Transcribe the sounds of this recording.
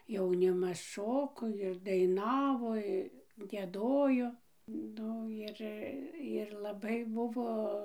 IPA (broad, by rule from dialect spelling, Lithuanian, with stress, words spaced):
jɛʊˈnʲɪmɐs ˈʃoːkoː ɪr dɐɪˈnɑːʋoː ɪ ɡʲiɛˈdoːjoː ˈnʊ ɪr ɪr lˠɐˈbɐɪ ˈbʊʋoː